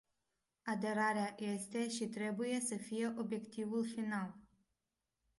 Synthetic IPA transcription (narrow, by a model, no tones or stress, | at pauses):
ad̪e̞ɾaɾeaje̞st̪e̞ʃit̪ɾe̞buje̞səfije̞ʔo̞bje̞kt̪ivulfinal